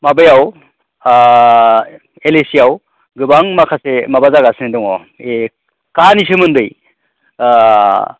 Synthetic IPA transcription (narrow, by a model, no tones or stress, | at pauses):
mabɯjaw | elesiaw | ɡɯbaŋmakʰasemabazaɡasɯnidɔŋɔ | e | kanis̬ɯmɯndɯj